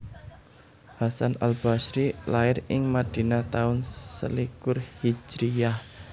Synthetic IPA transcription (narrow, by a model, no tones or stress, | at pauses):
hasanʔa̰lb̥asɾilaɪɾɪŋmad̪̥i̤nat̪aʊnsə̰likʊrhi̥d͡ʒɾijah